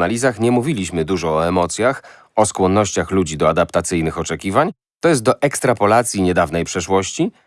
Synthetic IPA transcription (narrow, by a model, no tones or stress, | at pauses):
alʲizaxɲɛmuvʲilʲiɕmɘd̪uʐɔːɛmɔt̪sʲjax | ɔskwɔnːɔɕt͡ɕaxlud͡ʑid̪ɔad̪apt̪at̪sɘjnɘxɔt͡ʂɛkʲivaɲ | t̪ɔjɛst̪̚d̪ɔʔɛkst̪ɾapɔlat̪sʲjiɲɛd̪avnɛjpʂɛʂwɔɕt͡ɕi